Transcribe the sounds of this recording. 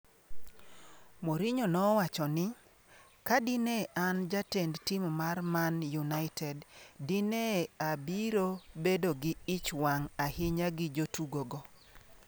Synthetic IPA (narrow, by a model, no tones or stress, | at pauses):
moɾiɲonɔwat͡ʃɔnɪ | kadineʔand͡ʒatendtimmarmanjunaɪtʰɛddineabiɾobedoɡɪɪt͡ʃwaŋahɪɲaɡɪd͡ʒotuɡoɡɔ